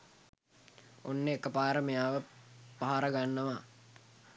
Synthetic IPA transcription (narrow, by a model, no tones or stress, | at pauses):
onːeːkːəpaːɾəmejaːʋəpaɦaɾəɡanːəʋa